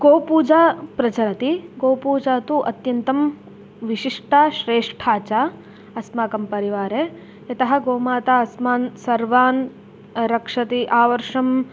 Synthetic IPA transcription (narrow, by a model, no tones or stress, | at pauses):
ɡoːpuːd͡ʒaːpɾɐt͡ʃɐɾɐt̪iɡoːpuːd͡ʒaːt̪uʔɐt̪jɐnt̪ɐm | ʋiʃiʂʈʰaʃɾeːʂʈʰaːt͡ʃa | ɐsmaːkɐmpɐɾiʋaːɾe | ɐt̪ɐɦɐ̆ɡoːmaːt̪aɐsmaːnsɐɾʋaːn | ɾɐkʂɐt̪iʔaːʋɐɾʂɐm